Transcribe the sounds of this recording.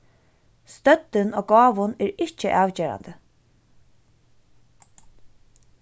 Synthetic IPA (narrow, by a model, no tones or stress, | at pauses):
st̪œt̪ːɪnoːɡɑːʋʊnɛɾɪt͡ʃɪʔɑːʋt͡ɕeːɾa̰nd̪ə